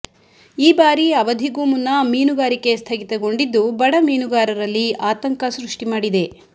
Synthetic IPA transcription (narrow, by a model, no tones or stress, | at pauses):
iːbaːɾiɐʋɐd̪ʱiɡuːmunːɐmiːnuɡaːɾike̞st̪ʰɐɡit̪ɐɡo̞ɳɖid̪ːubɐɽɐmiːnuɡaːɾɐɾɐlːiaːt̪ɐŋkɐsɾuʂʈimaːɽid̪e̞